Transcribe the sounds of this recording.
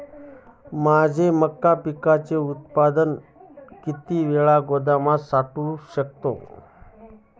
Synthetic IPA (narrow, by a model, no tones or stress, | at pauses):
mad͡ʑʱeməkːapikat͡seut̪̚pad̪ən | kit̪iːʋeɭaɡod̪amasaʈuɕək̚t̪o̰